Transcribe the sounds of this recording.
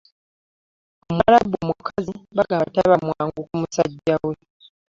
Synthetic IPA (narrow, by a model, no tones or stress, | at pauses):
omwaɾabomukʰaziβaɡataβamwaːŋɡukumusaɟːawe